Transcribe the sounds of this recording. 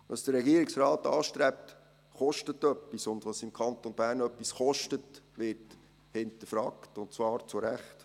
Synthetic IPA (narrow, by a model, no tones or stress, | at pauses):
ʋɑsd̥əɾɛɡiəɾiksɾɑːtɑːʃtɾɛp̚t | χɔʃtətːœpːisʊndʋɑsɪmkʰɑnt̪onbæːɾnœpːisχɔʃtətʋɪɾt | hɪntəfɾɑːktʊnt͡svɑːɾt͡sʊɾæχt